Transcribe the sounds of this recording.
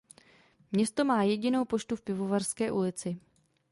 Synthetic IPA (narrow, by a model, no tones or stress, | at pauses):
mɲɛst̪o̞maːjɛɟɪno̞wpo̞t͡ʃt̪ufpɪvo̞varskɛːʔulɪt͡sɪ